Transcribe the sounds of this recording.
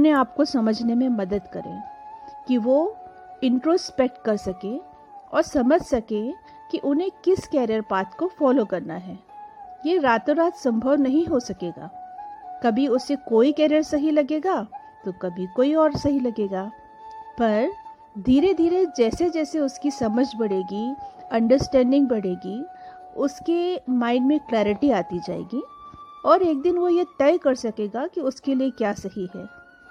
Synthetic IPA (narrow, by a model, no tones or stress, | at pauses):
ʊnẽaːpkosɐməd͡ʒʱnemẽmɐd̪əd̪kɐɾḛ̃ːkiʋo | ɪ̃ɳʈɾoːspek̚ʈ̚kɐɾsɐkẽ | ɔ̰ːɾsɐməd͡ʒʱsɐkẽ | kiʔʊnɦẽkɪskɛːɾijəɾpaːt̪kofɔːlokɐɾnaɦɛːjeɾaːt̪oɾaːt̪sɐ̃mbʱəʋnɐɦĩɦosɐkeːɡa̰ːkɐbʱiʊsekoːikɛːɾijəɾsɐɦilɐɡeːɡaː | t̪okɐbʱikoːiɔːɾsɐɦilɐɡeːɡaː | pɐɾ | d̪ʱiːɾed̪ʱiːɾed͡ʒɛːsed͡ʒɛːseʊskisɐməd͡ʒʱbɐɽ̤eːɡiɐ̃ɳɖəɾsʈɛ̃ːɳɖɪ̃ŋɡ̚bɐɽeːɡi | ʊskemaːɪnmẽklɛːɾɪʈiaːt̪id͡ʒa̰ːḛːɡiɔːɾeːk̚d̪ɪnʋojet̪ɛːkɐɾsɐkeːɡakiʊskeliekjaːsɐɦiɦɛː